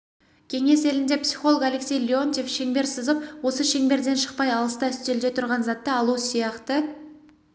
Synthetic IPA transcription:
kʲʰe̞ŋe̞se̞lɪnd̪e̞psiχo̞lˠoəkale̞ksʲe̞jlʲiont̪ʲefʃe̞ŋbe̞ɾsəzəpwo̞səʃe̞ŋbe̞ɾd̪e̞nʃə̥q̚pɑjɑlˠəst̪ɑst̪e̞ld̪e̞t̪ʰʊɾʁɑnzɑt̪ːəɑlˠusijɑqt̪ə

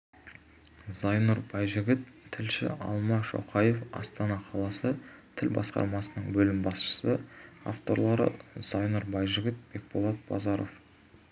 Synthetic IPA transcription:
zɑjnuɾbɑjʒɪɡʲɪt̪ʰːɪlʃɪ̰ɑ̰lˠmɑʒo̞̰qʰɑje̞fɑ̰st̪ɑnɑqʰɑlˠɑsət̪ʰɪlbɑ̰sqɑ̰ɾmɑsənəɴbɵlɪmbɑsʃə̥səa̰ft̪o̞ɾlˠɑɾə̰z̥ɑjnuɾbɑjʒɪɡʲɪt̪̚b̥e̞k̚bolˠɑt̪̚b̥ɑ̰zɑɾo̞̰f

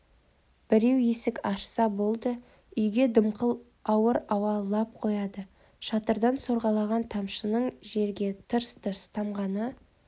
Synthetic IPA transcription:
b̥ɪɾe̞wje̞sɪkʲɑʃsɑbo̞lˠd̪ə | ʏjɡʲe̞d̪əmqəlˠ | ɑwəɾɑwɑlˠɑp̚qʰo̞jɑd̪ə | ʃɑt̪əɾd̪ɑnso̞ɾʁɑlˠɑʁɑnt̪ʰɑmʃənəɴʒe̞ɾɡʲe̞t̪ʰəɾst̪ʰəɾst̪ʰɑmʁɑnə

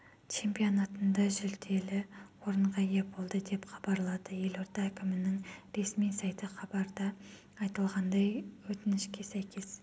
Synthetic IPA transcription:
t͡ʃʰe̞mpio̞nɑt̪ənd̪ɑʒʏld̪e̞lɪwo̞ɾəɴʁɑje̞bo̞lˠd̪əd̪e̞pχɑbɑɾlˠɑd̪əje̞lo̞ɾt̪ɑːkʲʰɪmɪnɪŋɾe̞smijsɑjt̪əχɑbɑɾd̪ɑː | jt̪əlˠʁɑnd̪ɑjwɵt̪ɪnɪʃkʲe̞sæjkʲʰe̞s

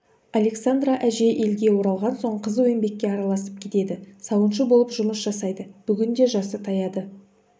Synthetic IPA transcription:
ɑle̞ksand̪raʔæʒe̞ʔe̞lɡʲe̞wo̞ɾɑlˠʁɑnso̞ɴqʰəzwɵmbe̞kʲːe̞ɑɾɑlˠɑsəp̚kʲʰe̞t̪e̞d̪ɪsɑwənʃəbo̞lˠəpʒʊməsʒɑsɑjd̪əb̥ʏɡʲɪnd̪e̞ʒɑsət̪ʰɑjɑd̪ə

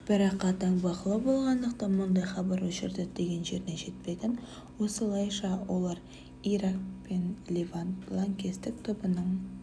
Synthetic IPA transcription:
b̥ɪɾɑqːɑt̪ɑɴbɑqəlˠɑbo̞lˠʁɑnd̪əqt̪ɑnmʊnd̪ɑjχɑbɑɾwɵʃɪɾd̪ɪd̪̥e̞ɡʲe̞nʒe̞ɾneʒe̞t̪̚pe̞d̪ʲɪn | wo̞səlˠɑjʃɑwʔo̞lˠɑɾ | iɾakpenlʲevalˠaŋkʲe̞st̪ɪkt̪ʰʊbənəɴ

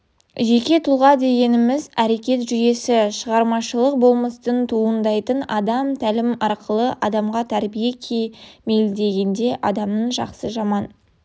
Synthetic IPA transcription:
ʒe̞kʲe̞t̪ʰulˠʁɑd̪e̞ɡʲe̞nɪmɪzæɾe̞kʲe̞t̪ʒʏje̞sɪʃəʁɑɾmɑʃəlˠəq̚bo̞lˠməst̪ənt̪ʰuənd̪ɑjt̪ənɑd̪ɑmt̪ʰælɪmɑɾqʰəlˠəʔɑd̪ɑmʁɑt̪ʰæɾbije̞kʲʰejme̞jld̪e̞ɡʲe̞nd̪e̞ʔɑd̪ɑmnəɴʒɑqsəʒɑmɑn

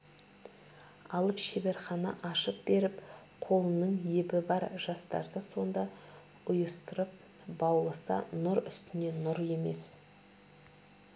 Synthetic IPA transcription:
ɑlˠəpʃebe̞ɾχɑnɑ̰ʔɑʃəp̚be̞ɾɪp | qʰo̞lˠənəɴjebɪbɑɾʒ̥ɑst̪ɑ̰ɾd̪əso̞nd̪ɑ | ʊjəst̪əɾəp̚ | bɑwlˠəsɑ̰nʊɾʏst̪ɪne̞nʊɾje̞me̞s

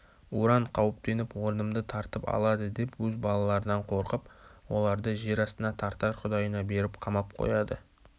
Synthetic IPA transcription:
uɾɑɴqʰɑwəp̚t̪e̞nɪpwo̞ɾənəmd̪ət̪ʰɑɾt̪əpɑ̰lˠɑd̪əd̪e̞pwɵzbɑlˠɑlˠɑɾənɑɴqʰo̞ɾqəpwo̞̰lˠɑɾd̪əʒe̞ɾɑst̪ənɑt̪ʰɑɾt̪ɑʃqʰʊd̪ɑjənɑbe̞ɾɪpqʰɑmɑp̚qʰo̰jɑd̪ə̰

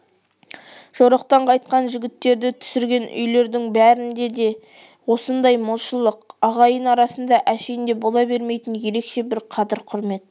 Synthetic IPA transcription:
ʒ̥oɾɑqt̪ɑɴqʰɑjt̪̚qɑnʒɪɡʲɪt̪ːe̞ɾd̪ɪt̪ʰʏ̥sɪɾɡʲe̞nʔʏ̰jle̞ɾd̪ɪŋbæɾɪnd̪e̞d̪e̞ | wo̞sənd̪ɑjmʊlˠʃəlˠəqɑʁɑjənɑɾɑsənd̪ɑʔæʃejnd̪e̞bolˠɑbe̞ɾmejt̪ɪnje̞ɾe̞kʃe̞bɪɾqʰɑd̪ɪɾqʰʊɾme̞t̪̚

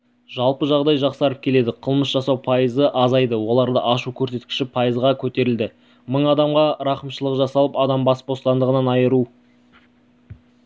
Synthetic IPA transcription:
ʒ̥ɑlˠpəʒɑʁd̪ɑjʒɑqsɑɾəp̚kʲʰe̞le̞d̪ɪqʰəlˠməsʒ̥ɑsɑwpʰɑjəzəʔɑzɑjd̪əwo̞lˠɑɾd̪ə̰ʔɑʃukʲʰɵɾse̞t̪̚kʲɪ̥ʃɪpʰɑjəzʁɑkʲʰɵt̪e̞ɾɪld̪ɪ | məɴɑd̪ɑmʁɑɾɑqəmʃəlˠəqʒɑsɑlˠəpɑd̪ɑmbɑspbo̞st̪ɑnd̪əʁənɑnɑjəɾu

